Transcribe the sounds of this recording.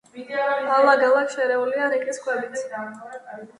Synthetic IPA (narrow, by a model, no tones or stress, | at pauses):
alˠaɡalˠakʃɛɾɛuliaɾikʼiskʰʼwɛbit̪